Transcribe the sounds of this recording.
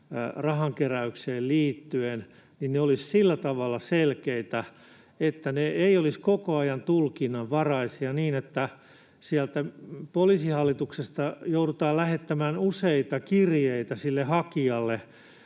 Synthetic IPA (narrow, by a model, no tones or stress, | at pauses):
rɑhɑŋkeræykseːlliːt̪ːyen | ninneolissilːæt̪ɑʋɑlːɑselkeit̪æ | et̪ːæneeioliskokoɑjɑnt̪ulkinːɑʋʋɑrɑisiɑniːnet̪ːæ | siælt̪æpolisihɑlːit̪uksest̪ɑjouɾut̪ɑːlæhet̪ːæmæːnuseit̪ɑkirjeit̪æsilːehɑkiɑlːe